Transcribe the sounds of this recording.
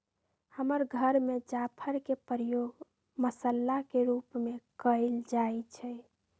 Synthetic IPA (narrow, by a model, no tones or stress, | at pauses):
həməɾɡʱəɾmed͡ʒapʰəɾkepɾjoɡ | məsəlːakeɾupmekəɪld͡ʒaet͡ʃʰɛ